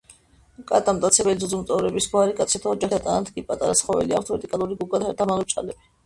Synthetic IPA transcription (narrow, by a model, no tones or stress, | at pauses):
kʼat̪ʼamt̪ʼat̪sʰɛbɛlizɔzɔmt̪ʼɔvɾɛbisɡwaɾikʼat̪sʰat̪ʰaɔd͡ʒaχat̪ʼanat̪ʰɡipʼat̪ʼaɾasχɔvɛ̰lia̰k̚ʰt̪ʰvɛɾd̪ikʼalˠuɾiɡuɡad̪ʰaɾd̪amalˠɔt͡ʃʼa̰lɛbi